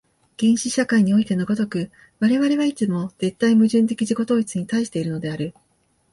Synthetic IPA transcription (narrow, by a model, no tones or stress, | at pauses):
ɡ̥ẽ̞ɰ̃ɕiɕakaiɲ̟io̞it̪e̞noɡo̞t̪o̞kɯ̟ | βaɾe̞βaɾe̞βait͡sɨmo̞z̥e̞t̪ːaimɯ̟ʑɨ̃nt̪e̞kʲiʑiko̞t̪o̞ːit͡sɨɲ̟it̪aiɕi̥t̪e̞iɾɯ̟no̞d̪e̞aɾɯ̟